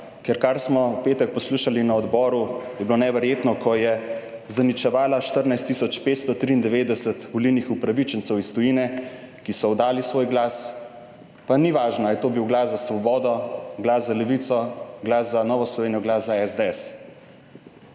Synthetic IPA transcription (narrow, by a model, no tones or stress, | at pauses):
kɛɾkaɾsmɔpeːt̪ɛk̚pɔsluʃalinaɔd̪bɔːɾujɛbilonɛʋɛɾjeːt̪nɔkʰɔjɛ | zanit͡ʃɛʋaːlaʃt̪əɾnajst̪ːisɔt͡ʃpet̪st̪ɔt̪ɾiːnd̪ɛʋeːd̪ɛsət̪ʋɔliwnixupɾaʋit͡ʃənsɛwist̪ɔjinɛ | kisɔɔd̪aːlisʋoːjɡlaːs | paniʋaːʒnɔaljɛt̪oːbiwɡlaszasʋɔbɔːd̪ɔɡlaszalɛʋit̪sɔɡlaːszanɔːʋɔslɔʋeːnijɔɡlaːszaɛzd̪eɛs